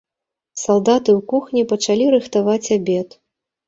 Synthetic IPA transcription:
salˠd̪at̪ɨwkuxnʲipɐt͡ʂalʲiɾɨxt̪avat͡sʲabʲɛt̪

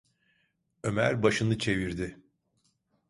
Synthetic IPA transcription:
ø̞mæɾbaʃɯnɯt͡ʃʰe̞viɾd̪ɪ

